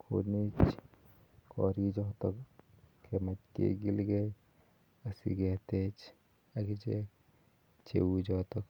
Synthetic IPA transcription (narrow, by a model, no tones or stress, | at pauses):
kʰo̰nit͡ʃ | kʰɔ̰ɾid͡ʒɔɦt̪ɔkkʰːemat̪kḛɡilɡe | ɐsḭɡɛt̪et͡ʃ | aɡit͡ʃe | t͡ʃʰḛud͡ʒɔɦt̪ɔk